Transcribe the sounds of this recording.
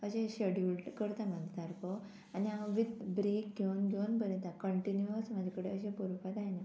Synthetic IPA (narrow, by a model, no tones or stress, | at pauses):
əɕẽɕeɽjulʈkəɾt̪amə̃d̪ʱd̪aɾkɔ | aniaʋʋid̪bɾek̚ɡʱeunɡʱeunpəɾɛ̃nt̪akəɳʈinjuəsmad͡ʑʱakəɽeəɕ̬ẽpoɾəpat̪ajna